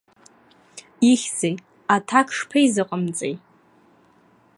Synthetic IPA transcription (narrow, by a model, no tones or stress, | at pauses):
iχʲzej | atʰakʰʂpʰejzɨqʼəmt͡sʼḛj